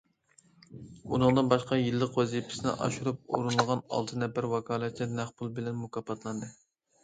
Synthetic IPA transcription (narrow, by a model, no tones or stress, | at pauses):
unɨŋd̪ɨnbɑʃqɑjilːəqwɛzipʰɪ̥sɪnɪ̰ʔɑ̰ʃuɾup̚ṵɾunɨlˠʁɑnɑ̰lˠt̪ʰɨnɛbɪɾwɑkʰɑːlˠɛt̪lɪɾmæχbulˠbɪlɛnmukʰɑpʰɑt̪ʰlˠɑnd̪ɨ